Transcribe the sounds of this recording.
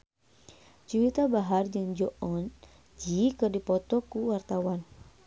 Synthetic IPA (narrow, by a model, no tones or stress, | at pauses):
t͡ʃuwit̪abaɦard͡ʒɨŋd͡ʒɔʔɔn | d͡ʒikɨrdipɔt̪ɔkuwart̪awan